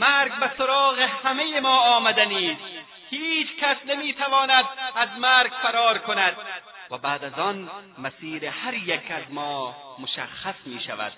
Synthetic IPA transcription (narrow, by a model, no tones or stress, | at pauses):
maɾɡ̚basoɾɒːɣehamejemɒːmad̪aniːs | hiːt͡ʃkasnamiːt̪ʰavɒːnad̪azmaɾɡfaɾɒːɾkonad̪̥̚ | vabaːd̪azɒnmasiːɾehaɾjakʰazmɒːmoʃa̰xasmiːʃa̰va̰d̪̥